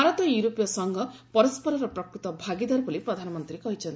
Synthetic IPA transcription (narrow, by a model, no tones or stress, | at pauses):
aɾɔt̪ɔjuɾopjɔsɔŋɡʱɔpɔɾɔspɔɾɔɾɔpɾɔkɾut̪ɔbʱaɡid̪aɾbɔlipɾɔd̪ʱanɔmɔnt̪ɾikɔɦit͡ʃʰɔnt̪i